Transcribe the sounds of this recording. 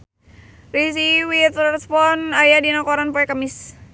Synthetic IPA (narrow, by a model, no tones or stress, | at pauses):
ris̬iwit̪ɛspɔnajadinakɔɾanpɔɛkamis